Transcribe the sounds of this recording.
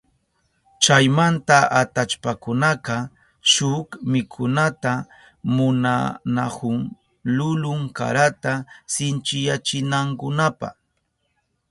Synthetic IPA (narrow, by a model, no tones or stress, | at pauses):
t͡ʃajmant̪aʔat̪at͡ʃpakʊnaqɑ | ʃʊkmɪkʰʊnat̪a | mʊna̰nakʊŋ | lʊlʊŋka̰ɾat̪asɪnt͡ʃɪjat͡ʃɪnaŋkʊnapɑ̰χ